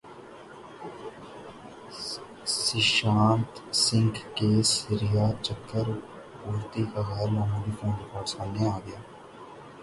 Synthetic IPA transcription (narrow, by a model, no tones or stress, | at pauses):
sɪʃãːnt̪sɪ̃ŋkkeːsɪɾɪjaːt͡ʃəkʰːəɾ | uːɾt̪ikaɣɛːɾmaːmũːd̪ifʰõːnɾɪkɔːɾʈsaːmneaːɡɐjaː